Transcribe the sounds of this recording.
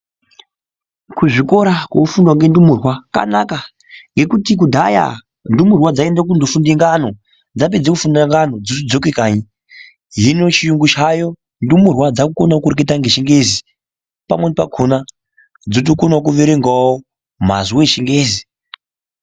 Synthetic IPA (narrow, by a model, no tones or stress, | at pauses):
kuʐiko̞ɾakwokufundwaŋɡe̞ndumurwaka̰naka | ŋɡe̞kutik̬udʱaja̰ | ndumurwad͡zaendak̬undofundiŋɡano̞ | d͡zap̬ed͡zekufundaŋɡano̞d͡zotid͡zokekaːɲi | ɦino̞t͡ʃijuŋɡuʃajo̞ | ndumurwad͡zakukonakurketaŋɡeʃiŋɡe̞zi | pa̰mwenepa̰ɡʱona | d͡zot̬okonakuʋeɾeŋɡwawo | m̤a̰zuweʃiŋɡeːzi